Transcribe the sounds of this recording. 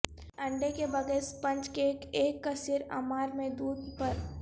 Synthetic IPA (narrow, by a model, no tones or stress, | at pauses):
ɐ̃ɳɖekebɐɡɛːspɐ̃ɲt͡ʃkekeːkːasɪɾa̰ːmaːɾmẽd̪uːd̪̚pɐɾ